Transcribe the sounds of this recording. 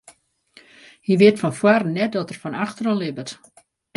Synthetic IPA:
hiʋɪətfɔnfwarnːɛt̚dɔtərfɔnaxtərɔnlɪbət

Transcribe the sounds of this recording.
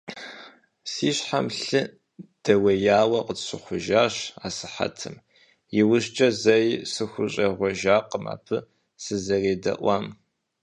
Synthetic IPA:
siːɕħamɬɨ | d̥ɐwɐjaːwɐqətɕɨχʷʊʒaːɕaːsɨħa̰tʰɨm | jɪwʊɕt͡ʃʼɐzɐjsɨxʷʊɕʼɐʁʷɔʒaːqəma̰ːpʰɨ | sɨzɐreːdɐ̰ʔʷɑm

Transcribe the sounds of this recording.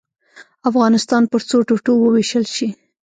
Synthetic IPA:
afɣɑnɪst̪ɑnpəɾt͡soʈoʈowəweʃəlʃi

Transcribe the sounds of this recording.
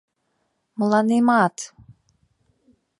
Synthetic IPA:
mulanimaːt̪

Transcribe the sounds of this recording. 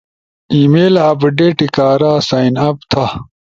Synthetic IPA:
iːmeːlaːpɖeʈikaːɾaːsaːinɐpt̪ʰa

